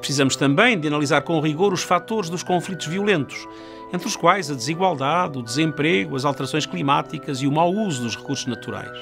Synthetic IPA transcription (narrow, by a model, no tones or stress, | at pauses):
pɾsizɐmuʃt̪ɐ̃mbɐ̃j̃d̪ɨɐnɐlˠizaɾkõʁiɣoɾuʃfat̪oɾʒðuʃkõflˠit̪uʒviulˠẽnt̪u̥ʃ | ẽnt̪ɾuʃkwajzɐd̪ɨziɣwalˠd̪aðud̪ɨzẽmpɾeɣuɐzalˠt̪ɨɾɐsõj̃ʃklˠimat̪ikɐziumawuzuðuʃʁɨkuɾsu̥ʒnɐt̪uɾa̰jʃ